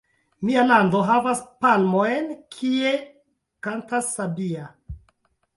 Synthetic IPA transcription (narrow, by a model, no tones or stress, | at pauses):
mialandoɦavaspalmojnkʰie | kantasːabia